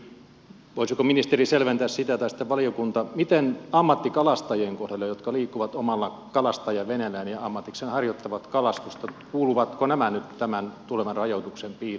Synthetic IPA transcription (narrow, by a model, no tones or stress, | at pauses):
ʋoisikominist̪eriselʋent̪æːssit̪æt̪ɑisit̪ːæʋɑliokunt̪ɑmit̪enɑmːɑt̪ːikɑlɑst̪ɑjeːŋkohdɑlːɑjot̪kɑliːkːuʋɑt̪omɑlːɑ | kɑlɑst̪ɑjɑʋenælæːnjɑɑmːɑt̪iksenhɑrjot̪ːɑʋɑt̪kɑlɑst̪ust̪ɑkuːluʋɑt̪konæmænyt̪t̪æmænt̪uleʋɑnrɑjot̪uksempiːr